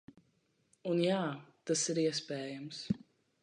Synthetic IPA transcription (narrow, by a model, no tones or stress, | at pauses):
unjaːt̪asiɾiəspɛːjəms